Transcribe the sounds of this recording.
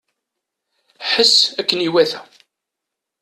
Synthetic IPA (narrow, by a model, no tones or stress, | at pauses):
ħəsːækːəniwæθæ